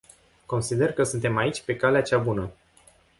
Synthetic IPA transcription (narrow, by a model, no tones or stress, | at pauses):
ko̞nsid̪erkəsunt̪e̞mait͡ʃʲpe̞kaleat͡ʃabunə